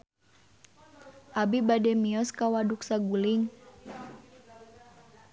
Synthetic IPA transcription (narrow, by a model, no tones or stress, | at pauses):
ʔabibadɛmiɔskawaduksaɡuliŋ